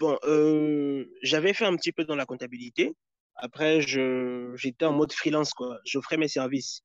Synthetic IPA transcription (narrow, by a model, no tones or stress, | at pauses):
b̥ɔ̃ʔø | ʒavɛfɛɛ̃pət̪ipød̪ɑ̃lakɔ̃t̪abilit̪e | a̰pχɛʒəʒet̪ɛɑ̃mɔd̪əfχilɑ̃skwaʒɔfχɛmɛsɛʁvis